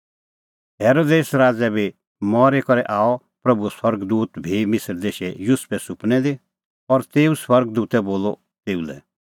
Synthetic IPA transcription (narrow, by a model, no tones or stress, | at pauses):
ɦeːɾoːd̪eːsɾaːd͡zɛbʱi | mɔːɾekɔɾɛʔaːɔ | pɾɐbuɛswɐɾɡd̪uːt̪bʱimɪsɾd̪eːʃɛjʊspʰɛsʊpnɛd̪i | ɔɾt̪eːũswɐɾɡd̪uːt̪ɛboːlɔ̰ | t̪eːulɛ̰